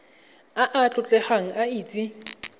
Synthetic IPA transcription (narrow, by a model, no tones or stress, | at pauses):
aʔat͡ɬʼʊt͡ɬʼɛχaŋ̩aiːt͡sʼi